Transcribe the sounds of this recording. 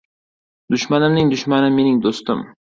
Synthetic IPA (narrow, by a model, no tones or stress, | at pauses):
d̪ʊʃmanɪmnɪŋd̪ʊʃmanɪme̞nɪŋd̪ost̪ɪm